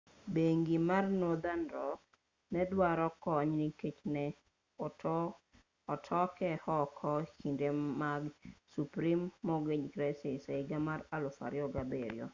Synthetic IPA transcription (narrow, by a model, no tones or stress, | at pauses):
beŋɡimarnod̪anɾɔ | nɛdwaɾɔkɔɲniket͡ʃnɛ | ɔtʰɔkɛhɔkʰɔkindemaɡsupɾimːɔɡeɲkɾɛsɛseiɡamaɾalɔfa̰ɾjɔɡabḛɾjo̰